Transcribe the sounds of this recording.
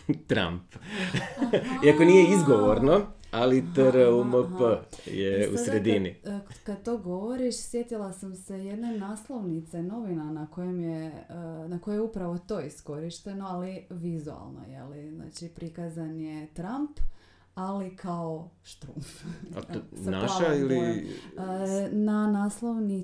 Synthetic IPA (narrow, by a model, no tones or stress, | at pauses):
t̪ɾa̰mp | iakoniːjeizɡoʋoɾnoalit̪əɾəuməpəjeṵsɾed̪inikad̪̚t̪o̞ːɡo̞ʋoɾiʃsje̞t̪ilˠasamse̞je̞d̪nenaːslˠo̞ʋnit̪seno̞ʋinanako̞jemjenakojejeupɾaʋo̞t̪o̞isko̞ɾiʃt̪e̞no̞aliʋizua̰lˠno̰jḛlizna̰ːt͡ʃipɾikazanjet̪ɾamp | alikaoʃt̪ɾṵmfa̰t̪naʃaili | nanaːslˠoʋni